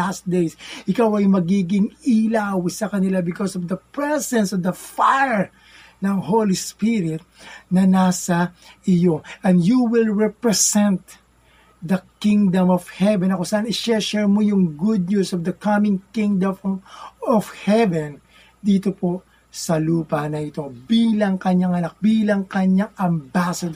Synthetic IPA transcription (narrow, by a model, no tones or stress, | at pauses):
asd̪ejsʔɪkawɐjmɐɡiːɡɪŋilawsɐkɐnɪlabɪkosɔvd̪ɐpɹɛsɛ̃nsɔvd̪ɐfajɹ | nɐŋɦolispɪɾɪt̪̚nɐnasɐʔɪjoʔɐ̃nd̪juwɪlɹɛpɹɛsɛ̃nt̪̚ | d̪ɐkĩŋd̪ɐ̃mɔv̥hɛvɛnɐkosɐʔanɪʃɛʃɛɹmojʊŋɡʊd̪̚nusɔvd̪ɐkɐmɪ̃ŋkɪ̃ŋd̪ɐmmɔvhɛvɛ̃n | d̪iːt̪opo̞ | sɐluːpɐnɐʔɪt̪o̞biːlɐŋkɐɲaŋɐnak̚biːlɐŋkɐɲaŋɐmbasɐd̪